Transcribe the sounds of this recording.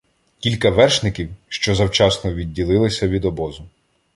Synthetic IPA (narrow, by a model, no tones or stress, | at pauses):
kʲilʲkɐʋɛrʃnɪkʲiwʃt͡ʃɔzɐwt͡ʃɑsnɔʋʲidʲːilˠɪlˠɪsʲɐʋʲid̪ɔbɔzʊ